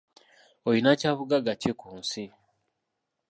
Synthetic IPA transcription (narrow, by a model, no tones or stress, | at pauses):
ojinacaβuɡaɡacekuːnsi